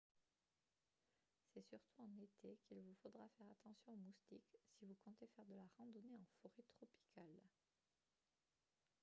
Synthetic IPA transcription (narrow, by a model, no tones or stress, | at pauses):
sɛsyʁt̪ʰuɑ̃net̪ekilvufod̪ʁafɛʁat̪ɑ̃sjɔ̃omust̪iksivukɔ̃t̪efɛʁd̪əlaʁɑ̃d̪ɔneɑ̃foʁet̪χɔpi̥kʰal